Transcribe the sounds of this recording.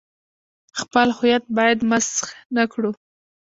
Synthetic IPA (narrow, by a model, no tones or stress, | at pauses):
xpəlhʊjat̪̚bɑjad̪masxnakɽu